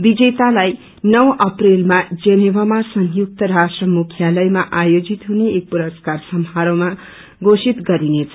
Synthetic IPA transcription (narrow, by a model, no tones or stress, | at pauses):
bid͡zet̪alaj | nʌwʔʌprelmad͡zʌnebʱamasʌŋjuk̚t̪ʌɾasʈrʌmukʰjalʌjmaʔajod͡zit̪ɦuneːk̚puɾʌskarsʌmɦaɾoma | ɡosit̪ɡʌɾinet͡sʰʌ